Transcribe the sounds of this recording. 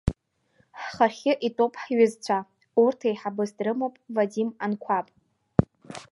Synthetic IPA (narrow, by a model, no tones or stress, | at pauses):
ħχarχʲɪʔitʼopʰʼħɥɪzt͡ɕʷʰa | urtʰajħabɨsdrɨmopʼvadimankʷʰapʼ